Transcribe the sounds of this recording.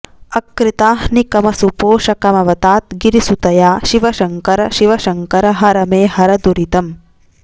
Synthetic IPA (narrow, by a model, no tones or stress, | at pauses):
ɐkɾit̪aːhnikɐmɐsupoːʂɐkɐmɐʋɐt̪aːt̪̚ɡiɾisut̪ɐjaːʃiʋɐʃɐŋkɐɾɐʃiʋɐʃɐŋkɐɾɐɦɐɾɐmeːhɐɾɐd̪uɾit̪ɐm